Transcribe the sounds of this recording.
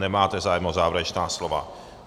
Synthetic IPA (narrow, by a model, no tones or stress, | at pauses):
nɛmaːt̪ɛzaːjɛmnozaːvɾat͡ʃnaːslova̰